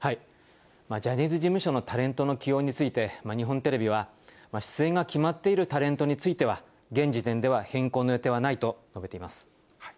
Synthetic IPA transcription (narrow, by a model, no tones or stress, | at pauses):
hai | mad͡ʑaɲʲizɨʑimɯ̟ɕo̞not̪aɾẽ̞nt̪o̞no̞kʲijo̞ːɲ̟it͡sɨit̪e̞maɲ̟iɦõ̞nt̪e̞ɾe̞bʲiβ̞a | maɕi̥t͡sɨẽ̞ŋɡakʲimat̪ːe̞iɾɯ̟t̪aɾẽ̞nt̪o̞ɲ̟it͡sɨit̪e̞β̞a | ɡẽ̞ɲ̟d͡ʑit̪ẽnd̪e̞βahẽ̞ŋko̞ːnoe̞t̪e̞βanait̪o̞no̞be̞t̪eimasɨ̥